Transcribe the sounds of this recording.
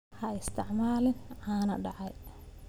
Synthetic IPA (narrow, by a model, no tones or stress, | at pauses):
hɐɪst̪ʰɪʕmaːlɪnʕaːnɐ̰ɖaʕaj